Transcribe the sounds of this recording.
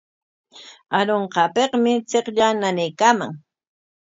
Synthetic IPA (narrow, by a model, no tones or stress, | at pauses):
aɾoɴqɑpeqmɪt͡seqʎananejkaːma̰ŋ